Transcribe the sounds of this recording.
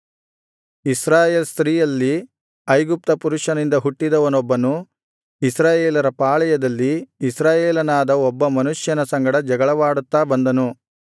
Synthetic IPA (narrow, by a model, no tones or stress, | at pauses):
isɾaːjeːlst̪ɾiːjɐlːi | ɐjɡup̚t̪ɐpuɾuʂɐnind̪ɐɦuʈːid̪ɐʋɐnɔbːɐnu | isɾaːjeːlɐɾɐpaːɭɛjɐd̪ɐlːiːsɾaːjeːlɐnaːd̪ɐɔbːɐmɐnuʂjɐnɐsɐŋɡɐɽɐd͡ʒɐɡɐɭɐʋaːɽut̪ːaːbɐnd̪ɐnu